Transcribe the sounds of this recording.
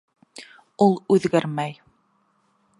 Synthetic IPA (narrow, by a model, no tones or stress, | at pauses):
ulˠʉðɡæɾmæj